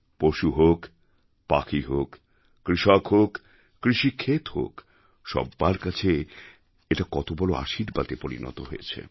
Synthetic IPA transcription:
poʃuɦok | pa̰kʰiɦokː | ɾiʃɔkɦokː | ɾiʃikʰːet̪ho̰k | ʃɔ̰bːaɾkat͡ɕʰe | eʈakɔt̪obɔloa̰ʃiɾbat̪epoɾḭnɔ̰t̪oɦojet͡ɕʰḛ

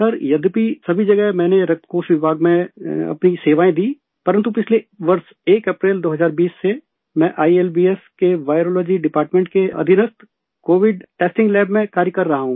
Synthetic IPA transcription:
sɐɾjɐd̪pisɐbʱid͡ʒɐɡəɦmɛ̃ːneɾɐk̚t̪ʰkoːʃʋɪbʱaːɡmẽɐ̰pniseːʋaːẽd̪iː | pɐɾə̃nt̪upɪt͡ʃʰleʋɐɾs | eːkɐpɾeːld̪oːɦɐzaːɾbiːsːe | mɛ̃ʔaːieːlbiːeskeʋaːɪɾoːlɔːd͡ʒiɖɪpaːɾʈmẽɳʈ̚keɐ̰d̪ʱɪnəst̪ | koːʋɪɖʈeːsʈɪ̃ŋɡlɛːbmẽkaːɾjəkɐɾːɐɦaɦũː

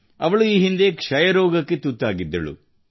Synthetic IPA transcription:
ɐʋɐɭuiːɦind̪ekʂɐjɐɾoːɡɐkːe̞t̪ut̪ːaːɡid̪ːɐ̰ɭṵ

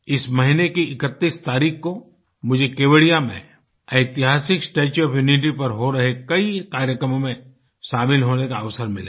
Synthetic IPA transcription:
ɪsmɐɦinekiɪkət̪ːiːst̪aːɾiːkko | mʊd͡ʒʱekeːʋəɽijamḛ̃ | ɐɪt̪ɪɦaːsɪksʈeːt͡ʃɔːpʰjuːnɪʈ̬ipɐɾɦoɾɐɦekɐikaːɾjəkɾəmõmẽ | ʃaːbɪlɦoːnekaɐʋsəɾmɪle

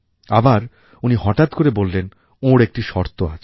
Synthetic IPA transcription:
abaɾ | unihɔʈat̪koɾebollen | oɾek̚ʈiʃɔɾt̪oa̰t͡ɕʰ

